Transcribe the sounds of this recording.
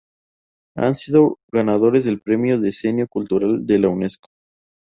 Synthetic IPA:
a̰nsiðo̞ɣanað̞o̞ɾe̞zðe̞lpɾe̞mjo̞ðese̞njo̞kult̪uɾald̪e̞lawne̞sko̥

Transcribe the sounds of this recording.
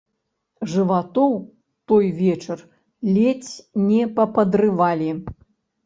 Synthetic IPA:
ʐɨvat̪ɔw | t̪ɔjvʲɛt͡ʂɐr | lʲɛt͡sʲnʲɛpɐpɐd̪ɾɨvalʲi

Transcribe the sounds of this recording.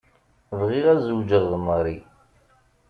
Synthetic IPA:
vʁiʁæzəwd͡ʒəʁðəməɾˤi

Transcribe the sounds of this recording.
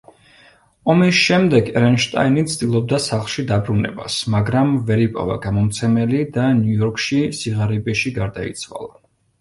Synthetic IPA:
ɔmisʃɛmd̪ɛɡɛɾɛnʃt̪ʼa̰init̪sʰt̪ʼilˠɔb̚d̪asaχlˠʃid̪abɾunɛ̰ba̰smaɡɾamvɛɾipʼɔ̰va̰ɡamɔmt̪sʰɛmɛlid̪anjujɔɾkʰʼʃisiʁaɾibɛʃiɡaɾd̪aḭt̪sʰwa̰lˠa

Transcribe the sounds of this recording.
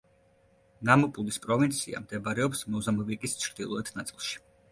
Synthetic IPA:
namupʼulispʼɾɔvint̪sʰia̰md̪ɛbaɾɛɔpsmɔzamɔvikʼist͡ʃʰɾd̪̥ilˠɔɛt̪ʰnat̪sʼilˠʃi̥

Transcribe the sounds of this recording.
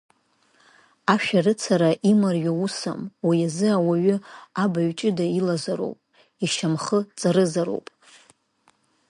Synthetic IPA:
aʃᶣarɨt͡sʰaɾaʔimarjausa̰mwijazɨawaɥʏabaɥt͡ʃʼɪdailazaɾo̰wpʼ | iʃamχət͡sʼaɾɨzaɾo̰wpʼ

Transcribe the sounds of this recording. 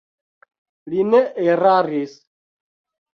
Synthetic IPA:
lineeɾaɾis

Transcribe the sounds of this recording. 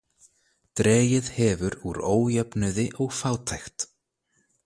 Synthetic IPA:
t̪ɾɛːjɪð̥hɛvʏɾuɾoːwjɛpnʏðɪʔɔɣfaːwt̪ʰajxt̪

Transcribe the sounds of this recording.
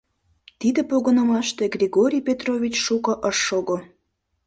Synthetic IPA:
t̪id̪ĕpoɣənə̆mɑʃt̪eɡrʲeɣoɾʲijpʲet̪rovʲit͡ɕʃukɤʔəʃːoɣo

